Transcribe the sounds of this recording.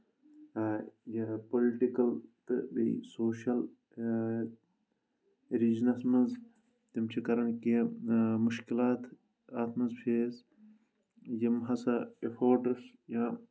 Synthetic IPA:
jɐpoliʈikɐlt̪ɨ̰ʋḛḭsoːʃɐl | ɾid͡ʒnɐsmɐnz | t̪imt͡ʃʰikɐɾɐnkimuʃkilaːt̪ | at̪ʰmɐzpʰeːz | jimɦɐsɐefʰoːɾʈɐs | jãː

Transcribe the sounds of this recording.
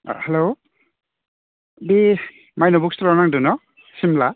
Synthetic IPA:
hɛlo | bi | majnɔbuk̚stlɔnaŋdunɔ | simla

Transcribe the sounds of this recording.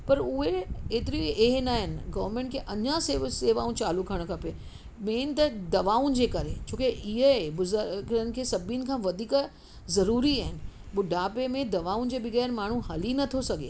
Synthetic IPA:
pɐɾʊɦeeːt̪ɪɾieɦnaːɦɪnɪ̆ɡɐʋəɾmẽːɳʈkʰeʔɐɲãseseːʋaːũt͡ɕaːlukʰɐɽ̃kʰɐpe | meːnt̪ɐd̪ɐʋaːũnd͡ʑeːkɐɾet͡ɕʰõːkeʔɪɦəbʊzɡənɪ̆kʰeːsɐbʱinɪ̆kʰãːʋɐd̪ʱiːk | zɐɾuːɾiaːɦɪnɪ̆ɓʊɖaːpemẽd̪ɐʋaːũnd͡ʑeːbɪɣɛːɾmaːɳ̤ũɦɐlinɐt̪ʰosɐɡʱḛː

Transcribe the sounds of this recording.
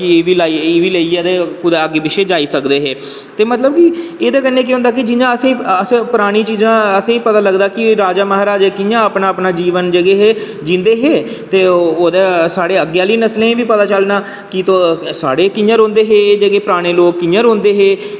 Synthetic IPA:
kɪeːʋiːlaːieːʋiːləiːɛːd̪eːkʊd̪aːəɡeːbɪʃeːd͡ʒaːiːsəkd̪eːɦeː | t̪eːmət̪ləbkɪeːd̪eːkənːeːk̬eɦʊ̃nd̪aːk̬ɪd͡ʒɪjãːəsĩːəspəɾaːɽ̃iːt͡ʃiːzãːəsãːiːpət̪aːləɡd̪aːkɪɾaːd͡ʒaːmaɦəɾaːd͡ʒeːkɪjãːəpnaːəpnaːd͡ʒiːʋənd͡ʒəɡeːɦeː | d͡ʒĩːnd̪eːɦeː | t̪eːoːd̪eːsaːɽeːəɡjaːliːnəslẽːĩːbiːpət̪aːt͡ʃəlnaː | kɪt̪õːsaːɽeːkɪjãːɾõːnd̪eːɦeːd͡ʒəɡeːpəɾaːɽ̃eːloːkkːɪjãːɾõːnd̪eːɦeː

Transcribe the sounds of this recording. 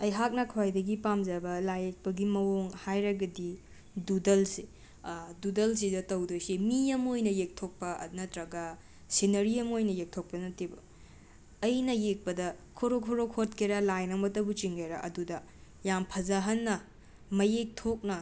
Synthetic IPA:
ɐjɦak̚nɐkʰwajdɐɡipamzɐbɐlajek̚pɐɡimɐwoŋhajɾɐɡɐdi | dudɐlse | dudɐls̬idɐtɐwdojsimiɐmojnɐjek̚tʰok̚pɐnɐtɾɐɡɐ | sinɐɾiɐmojnɐjek̚tʰok̚pɐnɐtibɐ | ɐjnɐjek̚pɐdɐkʰoɾokʰoɾokʰot̚kʰiɾɐlajnɐmɐtɐbut͡ʃiŋɡɐjɾɐʔɐ̰dudɐ | jampʰɐzaɦɐnːɐ | mɐjek̚tʰok̚nɐ

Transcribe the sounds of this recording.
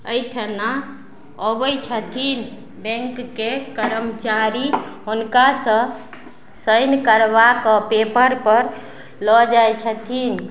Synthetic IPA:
əjʈʰəna | obəjt͡ʃʰət̪ʰin | bɛ̃ŋkːekəɾəmt͡ʃaɾiɦunkasə̃ | səjnkəɾbakɔpepəɾpəɾ | lɔd͡ʒajt͡ʃʰət̪ʰin

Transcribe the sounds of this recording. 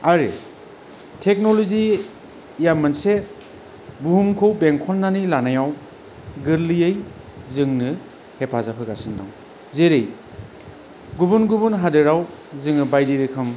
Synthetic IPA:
aɾɯ | tʰek̚nolozi | jamːanse | buhumkʰowbeŋkʰɔnːanilanajaw | ɡɯɾlijej | zɯŋnɯ | hepʰazapʰɯɡasɯnda̰w | zeɾej | ɡubunɡubunɦadɯɾawzɯŋɯbajdiɾɯkʰɯm

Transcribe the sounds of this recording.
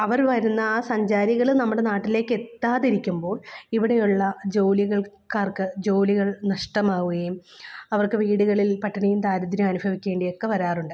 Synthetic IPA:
ɐʋɐrʋɐɾunːɐaːsɐɲd͡ʑaːɾiɣɐɭnɐmːuɽe̞naːʈːile̞ːkːe̞t̪ːaːðiɾikʲːumbo̞ːɭiʋiɽe̞juɭːɐd͡ʑo̞ːliɣɐɭkaːrkɨd͡ʑo̞ːliɣɐɭnɐʂʈɐmaːʋuɣɐjumɐʋɐrkɨʋiːɽuɣɐɭilpɐʈːɐɳɐjumt̪aːɾɐd̪ɾjɐmɐnubʱɐʋikʲːe̞ːɳɖijo̞kːe̞ʋɐɾaːruɳɖɨ

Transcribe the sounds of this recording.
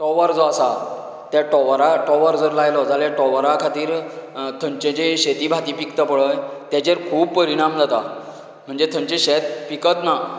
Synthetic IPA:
ʈɔʋaɾd͡zɔasa | t̪jaʈɔʋɾaʈɔʋaɾd͡zəɾlajlɔd͡zaljaʈɔʋɾakʰat̪iːɾt̪ʰəɲt͡ɕẽt͡ɕeɕet̪iːbʱat̪iːpikt̪əpəɭəjt̪jat͡ɕeɾkʰuːbpəɾiɽ̃amd͡zat̪a | m̤əɳd͡zet̪ʰəɲt͡ɕeɕet̪̚pikət̪na

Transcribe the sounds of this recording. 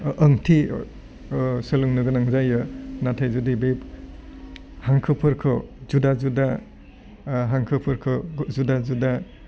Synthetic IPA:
ʔəŋtʰi | sɯluŋnɯɡɯnaŋzajɯnatʰajzudibep | haŋkʰɯpʰɯɾkʰɯzudazuda | ɦaŋkʰɯpʰɯɾkʰɯzudazuda

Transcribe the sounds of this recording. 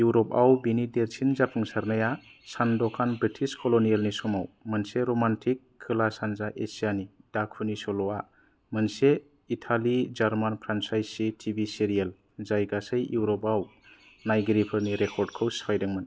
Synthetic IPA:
juɾɔpawbinideɾsʰinzapʰɯŋsaɾnajasandɔkʰanbɾitʰiskʰɔlɔnijalnisɔmawmɯnseɾomantʰikʰːɯlasanzaʔesijanid̥akʰɯnisɔlɔa | mɯnse | itʰalid͡ʒaɾmanpʰɾansajsitʰibiseɾijal | zajɡasɯjjuwɾɔpaw | najɡɾipʰɯɾniɾekʰɔɾd̚kʰɯwspʰajdaŋman

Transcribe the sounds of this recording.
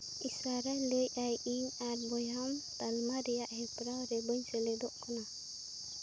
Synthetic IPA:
isaɾalejajʔiaɾbɔjɦamt̪almaɾijaʔhɛpɾawɾɛbɔɲseled̪ɔʔkʰɔna

